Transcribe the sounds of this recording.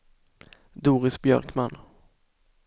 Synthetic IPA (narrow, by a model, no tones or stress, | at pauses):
d̪uːɾɪsbjœ̰ɾkman